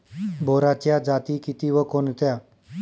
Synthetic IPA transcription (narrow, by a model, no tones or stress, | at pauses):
bʱoɾat͡ɕjad͡zat̪iːkit̪iːʋəkont̪ja